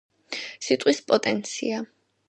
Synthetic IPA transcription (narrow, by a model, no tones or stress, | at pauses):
sit̪ʼwispʼɔt̪ʼɛnt̪sʰḭa